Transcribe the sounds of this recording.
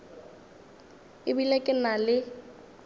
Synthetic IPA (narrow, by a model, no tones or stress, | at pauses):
ɪbilekʼɪnalɪ